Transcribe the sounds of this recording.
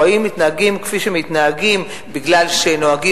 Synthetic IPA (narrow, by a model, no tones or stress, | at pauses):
aimːit̪naaɡimkfiʃemit̪naaɡim | biɡlalʃeno̞aɡi